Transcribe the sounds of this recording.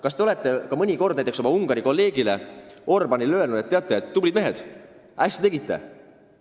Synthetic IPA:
kɑst̪e̞o̞le̞t̪ːˑe̞kɑmɤnʲiko̞rd̪næjt̪eso̞mɑuŋɡ̥ɑɾiko̞lːe̞ːɡ̥ile̞o̞rbɑnilø̞lnud̪̥et̪ːeɑt̪ːˑeet̪ːublid̪me̞ɦe̞d̪̥ | æsʲt̪it̪e̞ɡit̪ːe̞̰

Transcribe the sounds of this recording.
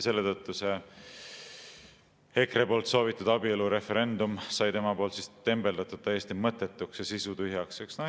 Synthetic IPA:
se̞lːet̪ɤt̪ˑːuse̞ | he̞kre̞po̞ːlt̪so̞ːvit̪ːˑud̪̥ɑbieluɾe̞fe̞ɾe̞nd̪umsɑjt̪e̞mɑpo̞ːlt̪sist̪e̞mbe̞ld̪ɑt̪ːˑud̪̚t̪æjest̪imɤt̪ːˑe̞t̪ːˑuksjɑsisut̪yɦjɑkseksnɑ

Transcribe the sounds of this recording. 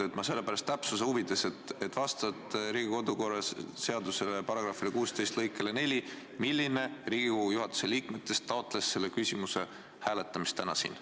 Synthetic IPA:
et̪mɑse̞lːe̞pæɾɑst̪ːæpsus̬euvid̪̥e̞se̞t̪et̪ːˑvɑst̪ɑt̪ɾiːɡiko̞d̪uko̞rːˑɑsse̞ɑd̪̥use̞lepɑɾɑɡ̥rɑfˑilekuːst̪e̞jst̪lɤjkːˑelene̞lʲi | milːine̞riːɡ̥ikojuɦɑt̪ːˑu̥se̞liːkme̞t̪ːˑe̞st̪ːɑot̪ːˑle̞sse̞lːe̞kysʲimuse̞ | hæːle̞t̪ːˑɑmist̪ːænɑsḭːn

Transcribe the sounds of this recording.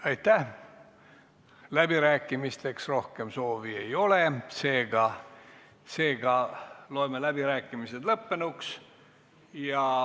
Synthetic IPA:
ɑjt̪ːæh | læb̥iɾæːkːˑimist̪e̞ksro̞hke̞mso̞ːvie̞jo̞le̞se̞ːɡ̥ɑ | se̞ːɡ̥ɑlo̞emelæb̥iɾæːkˑːimised̪lɤpːe̞nuks | jɑ

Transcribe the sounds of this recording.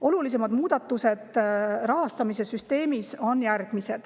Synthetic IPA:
o̞lulis̬e̞mɑd̪muːd̪̥ɑt̪ːˑuse̞d̪̥rɑɦɑst̪ɑmise̞syst̪e̞ːmiso̞njærɡ̥mise̞d̪̥

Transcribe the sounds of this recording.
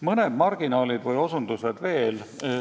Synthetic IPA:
mɤned̪̥mɑrɡ̥inɑːlid̪vɯjo̞sund̪̥used̪ve̞ːl

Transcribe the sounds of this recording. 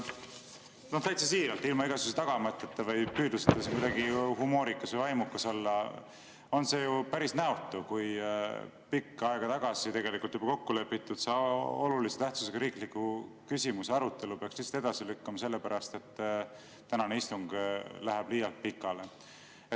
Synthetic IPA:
no̞ht̪æjt̪sesiːɾɑlt̪ːˑilmɑiɡ̥ɑsus̬t̪ɑɡ̥ɑmɤt̪ːˑet̪ːɑvɑjpyːd̪uset̪ːˑɑsiŋkujd̪ɑɡihumo̞ːɾikːˑɑsvɤjvɑjmukːɑso̞lːɑ | o̞nse̞ːjupæɾisnæot̪ːˑukuj | pikːɑeɡ̥ɑt̪ɑɡ̥ɑsit̪e̞ɡe̞likult̪jub̥ɑ̥ko̞kːule̞pːit̪ːˑud̪̥sɑoluliset̪æht̪su̥seɡ̥ɑɾiːklikːukysʲimuseɑɾut̪ːˑe̞lupekslist̪e̞d̪ɑsilykːɑmɑse̞lːepæɾɑst̪e̞t̪ː | t̪ænɑneist̪uŋɡ̥læɦæb̥liːjɑlt̪̚pikːˑɑle | e

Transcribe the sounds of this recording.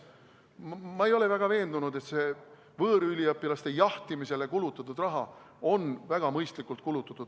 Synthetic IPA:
mːɑejo̞le̞væɡ̥ɑve̞ːnd̪unud̪e̞t̪se̞ː | vɤːɾylʲiɑpːilɑst̪e̞jɑht̪imise̞le̞kulut̪ːˑɑt̪ːˑud̪̥rɑɦɑ | o̞nvæɡ̥ɑmɤjst̪likˑult̪̚kulut̪ːˑɑt̪ːˑud̪

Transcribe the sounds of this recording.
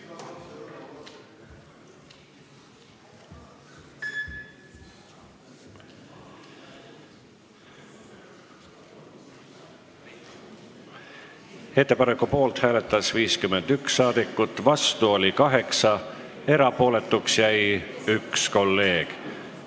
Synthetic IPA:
he̞t̪ˑːe̞pɑnekːˑupo̞ːlt̪hæːle̞t̪ːˑɑsviːskyme̞nd̪̥ykssːɑːd̪̥ikːˑut̪ːˑvɑst̪uo̞lʲikɑɦe̞ksɑ | e̞ɾɑpo̞ːle̞t̪ːˑuksjæj | yksko̞lːe̞ːɡ̥

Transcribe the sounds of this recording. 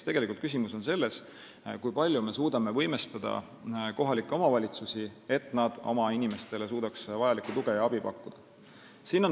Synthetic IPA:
t̪e̞ɡ̥e̞likult̪kys̬imuso̞nse̞lːe̞s | kujpɑlʲjume̞suːd̪ɑme̞vɤjme̞st̪ɑd̪̥ɑ̰ | ko̞ɦɑlikːˑeo̞mɑvɑlʲit̪susie̞t̪ːˑnɑd̪̥o̞̰mɑinime̞st̪e̞le̞s̬uːd̪̥ɑksvɑjɑlikːˑut̪uɡe̞jɑɑb̥ipɑ̰kːud̪̥ɑ | siːnːo

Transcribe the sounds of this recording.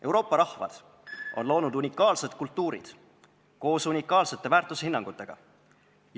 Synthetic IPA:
ʔe̞wɾo̞ːpːˑɑɾɑhvɑ̰d̪̥ | ʔo̞̰nlo̞ːnud̪unʲikːˑɑːlse̞d̪̥̚kult̪ːuːɾḭd̪̥ | ko̞ːsunʲikːˑɑːlse̞t̪ːˑe̞væːrt̪ːˑushinːɑŋɡ̥ut̪ːˑe̞ɡ̥ɑ̰

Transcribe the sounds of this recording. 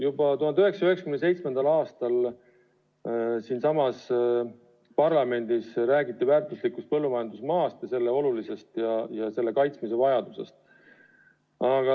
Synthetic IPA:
jubɑt̪uhɑnd̪yɦeksɑyhe̞ksɑkymnese̞jt̪sme̞nd̪̥ɑlɑːst̪ɑl | siːnsɑmɑs | pɑrlɑme̞nd̪isɾæːɡit̪ːivæːɾrt̪ˑuslikːˑust̪̚pɤ̞lːumɑjɑnd̪̥usmɑːst̪jɑse̞lːeo̞lulise̞st̪jɑjɑse̞lːe̞kɑjt̪smis̬e̞vɑjɑd̪̥use̞̰st̪ | ɑɡ̥ɑ

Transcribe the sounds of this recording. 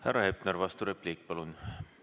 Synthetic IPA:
hærːɑhepneɾvɑst̪uɾepliːk̚pɑlun

